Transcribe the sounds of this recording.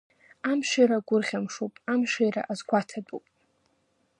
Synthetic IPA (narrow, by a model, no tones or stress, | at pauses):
amʃʷaɾaɡʷʊrʁʲamʂupʼamʃajra̰ʔazɡʷatʰadʼupʼ